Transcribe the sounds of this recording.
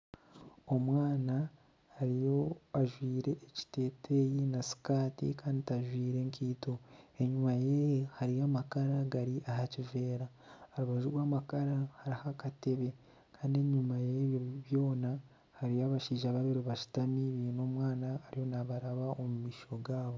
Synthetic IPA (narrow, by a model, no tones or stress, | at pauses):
o̞mwaːnaː | ɾijo̞aʒwiːɾe̞ʔːci̥te̞ːte̞jinasi̥kaːtḭkaːnditaʒwiːɾe̞ŋkʰiːto̞e̞ɲumajehaɾijamakaɾaɡaɾiʔahacive̞ːɾaː | ɾuβaʒuɾwaːmakaɾahaɾihakate̞βe̞ | kʰaːndie̞ɲumajeβjoβjo̞ːna | haɾijaβaʃiːʒaβaβiɾuβaʃi̥tamiβiːno̞ːmwaːnaːɾijo̞naβaɾaβaomumiːʃo̞ɡaːβo̞